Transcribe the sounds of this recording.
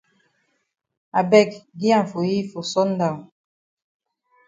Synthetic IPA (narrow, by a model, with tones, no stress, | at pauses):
a˨bɛ˦˨k̚ɡi˦a˦˨ɱ̩˨fo˨ji˦fo˨sɔ˦n̩˦da˨